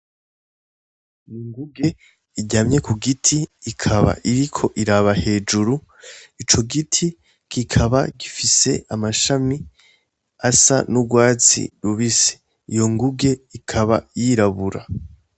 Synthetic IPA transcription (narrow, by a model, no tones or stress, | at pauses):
niŋɡuɡe̞ | iɟaːmɲe̞kʰuɡitʰiːkʰaβa̰ʔiɾikʰo̞ʔiɾaβahe̞ːd͡ʒuɾu | it͡ʃo̞ɡitʰi | kikʰaβaɡifise̞̰ʔamaʃami | asa̰nuɡwaːt͡sḭɾuβise̥ | ijo̞ŋɡuɡe̞ikʰaβa̰jiɾaβuɾa